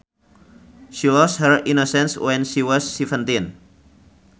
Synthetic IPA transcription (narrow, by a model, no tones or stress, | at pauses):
ʃilɔshəɹinosɛ̃nswɛ̃nʃiwɔsːivə̃nt̪ĩn